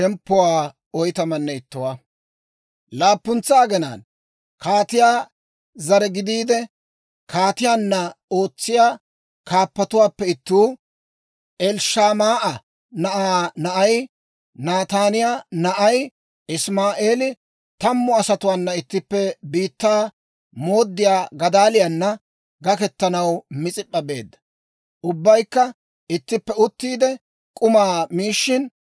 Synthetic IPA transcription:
ʃɛmpːʊwaː | ɔjt̪ɐmɐnːɛɪt̪ːʊwaː | laːpːʊnt͡saːɡɛna̰ːn | kʰaːt̪ɪjaː | zɐɾɛɡɪd̪iːd̪ɛ | kaːt̪ɪjaːnːɐo̞ːt͡sːɪjaː | kaːpːɐt̪ʊwaːpːɛɪt̪ːuː | ʔɛlʃaːmaːʔɐ | nɐʔaːnɐʔɐj | naːt̪aːnɪjanɐʔɐj | ʔɪsmaːʔe̞ːlɪ | t̪ɐmːʊɐsɐt̪ʊwaːnːɐɪt̪ːɪpːɛbiːt̪ːaː | moːd̪ːɪjaːɡɐd̪aːlɪjanːɐ | ɡɐkɛt̪ːɐnɐwmɪt͡sʼɪpʼːɐbe̞̰ːd̪ːɐ̥ | ʔʊbːɐjkːɐ | ɪt̪ːɪpːɛʊt̪ːiːd̪ɛ | kʼʊmaːmiːʃːɪn

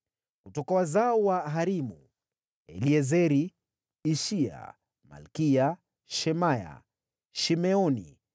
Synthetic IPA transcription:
kutɔkawazaɔwaɦaɾimṵ | ɛ̰liɛzɛɾiː | ʃia̰ | ma̰lkia | ʃɛmaja̰ | ʃimɛɔnḭ

